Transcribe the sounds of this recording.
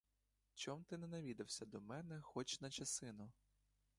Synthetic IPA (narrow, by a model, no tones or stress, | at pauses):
t͡ʃɔmt̪ɪnɛnɐʋʲid̪ɐwsʲɐd̪ɔmɛnɛxɔt͡ʃnɐt͡ʃɐsɪnʊ